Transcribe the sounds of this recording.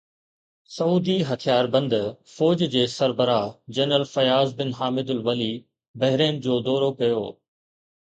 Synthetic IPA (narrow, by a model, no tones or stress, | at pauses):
sɐuːd̪iɦɐt̪ʰijaːɾbɐ̃nd̪fɔːd͡ʑd͡ʑeːsɐɾbəɾad͡ʑɐnəlfɐjaːzbɪnɦaːmɪd̪ʊlʋɐli | bɐɦɪɾeːnd͡ʑoːd̪ɔːɾokɐjo̰ː